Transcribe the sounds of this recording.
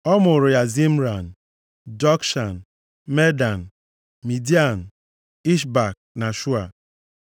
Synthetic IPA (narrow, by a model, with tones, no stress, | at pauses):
ɔ˦mʊ˨ɾʊ˨ja˨zi˦m̩˦ɾa˨n̩˨ | d͡ʒɔ˦kʃa˨n̩˨ | me˦da˨n̩˨ | mi˨di˦a˨n̩˨ | i˦ʃba˨k̚ | na˨ʃu˦a˨